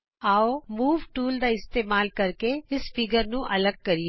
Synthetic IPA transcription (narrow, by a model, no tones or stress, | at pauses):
aːomuːʋʈuːld̪aɪst̪eːmaːlkɐɾkeɪsfɪɡəɾnũʔɐləɡ̚kɐɾie